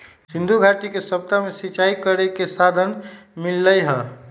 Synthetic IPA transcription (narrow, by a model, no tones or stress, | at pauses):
sind̪ʱuɡʱaʈikesəp̚t̪amesit͡ʃaikəɾekesad̪ʱənmilːəjɦə